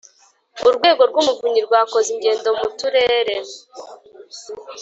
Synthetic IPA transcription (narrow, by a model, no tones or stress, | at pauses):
uɾɡwe̞ːɡo̞ɾɡumuvuɲiɾɡwaːko̞ziɲɟe̞ːndo̞mutuɾe̞ːɾe̞